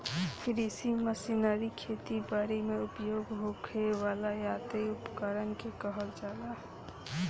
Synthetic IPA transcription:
kɾisiməsinaɾikʰet̪ibaɾemeʊpjoːɡɦokʰeʋaːlajaːt̪eʊpkəɾənkekəɦəld͡ʒaːlaɦ

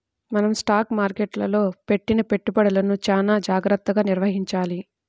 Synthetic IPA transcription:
mɐnɐmsʈaːkmaːɾkeʈlɐ̰lo̞ːpe̞ʈːinɐpe̞ʈːupɐɽɐlɐnut͡ʃaːnaːd͡ʒaːɡɾɐt̪ːɐɡaːniɾʋɐɦiɲt͡ʃaːli

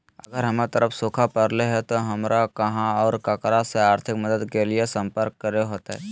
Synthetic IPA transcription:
ɐɡəɾɦɐmet̪əɾəfsoːkʰapɐɾleɦɛ̃t̪oɦɐmɾakɐɦãɔːɾkaːkɾaseaːɾt̪ʰɪkməd̪əd̪keliesɐ̃mpəɾkːɐɾeɦoːt̪eɦɛ̰

